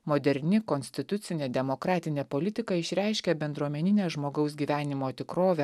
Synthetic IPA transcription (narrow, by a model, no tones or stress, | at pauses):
mod̪ʲɛɾʲnʲɪkɔnʲsʲt̪ʲɪt̪ʊt̪sʲɪnʲeːd̪ʲɛmokɾɑːt̪ʲɪnʲeːpolʲɪt̪ʲɪkɐɪʃʲɾʲæˑɪʃʲkʲɛbʲɛnd̪ɾuɔmʲɛnʲɪnʲeːʒmoːɡɐʊsɡʲiːʋʲæːnʲɪmoːt̪ʲɪkɾoːʋʲɛ